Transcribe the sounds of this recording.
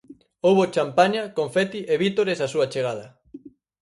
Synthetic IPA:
owβot͡ʃampaɲakõɱfɛt̪iʔeβit̪oɾesasuat͡ʃeɣ̞að̞ɐ

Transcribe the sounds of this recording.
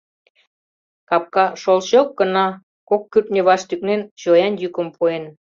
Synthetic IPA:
kɑp̚kɑʃolɕok̚ɡənɑ | kokːyp̚nʲeβɑʃt̪yk̚nent͡ɕojɑnjykə̆mpuen

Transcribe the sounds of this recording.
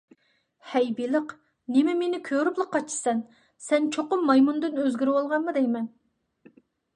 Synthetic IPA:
hɛjbilˠəq | nɪmɛmenɪkʲʰøɾyplˠəqːɑt͡ʃʰɨ̥sɛn | sɛnt͡ʃʰoqʊmːɑjmund̪ɨnøzɡʲyɾwolˠʁɑnmɨd̪ɛjmɛn

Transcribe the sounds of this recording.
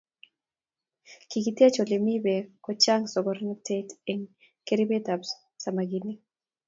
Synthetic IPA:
kikitiat͡ʃolimibekɔt͡ʃaŋsɔbɔɾnateteŋ | keɾibetabs | samaɡini

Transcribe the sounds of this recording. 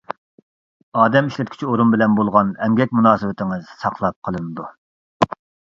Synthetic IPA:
ɑːd̪ɛmiʃlɛt̪̚kʲi̥t͡ʃʰioɾunbɪlɛnbolˠʁɑnɛmɡʲɛk̚ʲmunɑːsɨwɪt̪ʰɪŋɨz̥sɑqlˠɑp̚qʰəlˠɨnɨd̪u

